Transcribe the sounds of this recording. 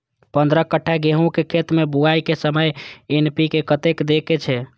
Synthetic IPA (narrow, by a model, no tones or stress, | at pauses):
pənd̪ɾəkəʈʰːaɡeɦũkekʰet̪mebuajkesəməjenpikekət̪ekd̪eket͡ʃʰɛ